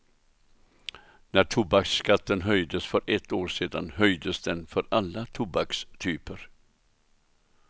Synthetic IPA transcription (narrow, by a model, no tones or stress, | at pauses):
næʈʰʊbakskat̪ːənɦœjd̪əsfœɾʔɛt̪ːoːɾʂeːd̪a̰nhœjd̪əsd̪ɛnfœɾalːat̪ʰubakst̪ʰyːpəɾ